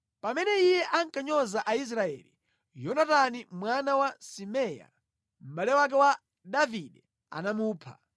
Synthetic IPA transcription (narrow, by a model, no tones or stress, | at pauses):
pamɛnɛijɛʔaŋkaɲɔzaʔais̬ɾaɛ̰lḭ | jɔnatanimwanawasimɛja̰ | m̩ɓalɛwak̬ɛwa | daviɗɛ | a̰namuːpʰa̰